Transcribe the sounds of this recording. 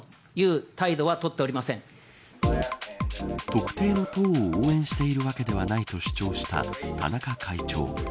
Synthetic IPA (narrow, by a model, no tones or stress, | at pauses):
jɯːt̪aid̪o̞βat̪o̞t̪ːe̞oɾʲimasẽ̞ŋ | t̪o̞kɯ̟̥t̪e̞ːno̞t̪o̞ːoːẽ̞ɰ̃ɕi̥t̪e̞iɾɯ̟βake̞d̪e̞β̞anait̪o̞ɕi̥t͡ɕo̞ːɕi̥t̪a̰t̪ʰa̰nakakʰait͡ɕo̞̰ː